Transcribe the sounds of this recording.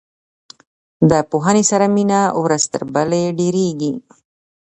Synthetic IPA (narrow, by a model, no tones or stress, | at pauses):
d̪əpoɦanesaɾaminawɾazt̪ə̰ɾbəleɖeɾeɡi